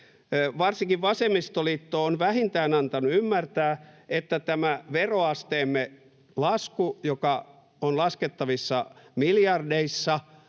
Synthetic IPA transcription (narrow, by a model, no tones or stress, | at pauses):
ʋɑrsiŋkiʋʋɑsemist̪oliːt̪ːoːonʋæhint̪æːnɑnt̪ɑnuymːært̪æːet̪ːæt̪æmæʋeroɑst̪eːmːe | lɑskujokɑ | onlɑsket̪ːɑʋisːɑmiljɑrdeisːɑ